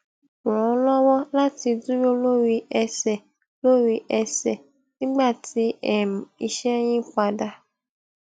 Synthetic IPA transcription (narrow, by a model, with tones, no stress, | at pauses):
ɾ̃ɔ̃˨˦lɔ˦wɔ˦la˦ti˧du˦jo˦lo˦ɾi˧ɛ˧sɛ˨ | lo˦ɾi˧ʔɛ˧sɛ˨ | nĩ˦ɡ͡ba˦˨ti˦ɛ˨m˨i˧ʃɛ˦j̃ĩ˦k͡pa˧da˧